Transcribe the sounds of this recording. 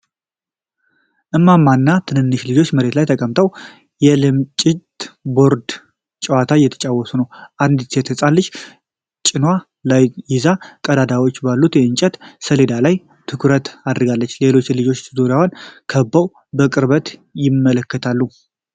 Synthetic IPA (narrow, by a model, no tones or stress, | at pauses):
ʔɨmːamːanːat̪ʰɨnɨnːɨʃlɨd͡ʒo̞t͡ʃːməɾe̞t̪lajt̪ʰəkʼəmt̪ʰəw | jɛlɨmt͡ʃʼɪt̪bo̞ɾd̪ | t͡ʃʼɛwat̪ʰajɛt̪ʰə̥t͡ʃʼawːɔsunəwʔand̪t̪et̪ʰəsʼalːɨt͡ʃː | t͡ʃʼɪnwa | lajjɪzakʼəd̪ad̪awo̞t͡ʃːbalːut̪jɛɨnt͡ʃʼɛt̪səle̞d̪alaj | t̪ʰɨkʰɾət̪ad̪ɾɡalːət͡ʃːle̞lo̞t͡ʃːlɨd͡ʒo̞t͡ʃːzoɾjawonkʰəbːəw | bəkʼɨɾbət̪jɪmːələkːət̪ʰalːu